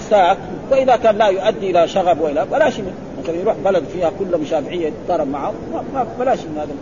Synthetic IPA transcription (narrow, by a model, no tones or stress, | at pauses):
saːk | waʔɪðakaːnlajʊʔad̪ːiʔɪlaʃaɣabwɪʔɪlabalaːʃimɪ | maθalanjɾuːħbalad̪fiːhakʊlːmʊʃaːfɪʕɪjːat̪t̪ˤːɑɾˤɑbmaʕʊ | mamabalaːʃinhaːd̪a